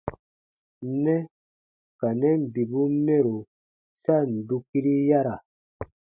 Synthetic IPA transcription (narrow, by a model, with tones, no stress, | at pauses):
nɛ˦ | ka˨nɛ˦m˨bi˨bu˦mɛ˦ɾo˨ | sa˦˨n̩˨du˦ki˦ɾi˦ja˦ɾa˨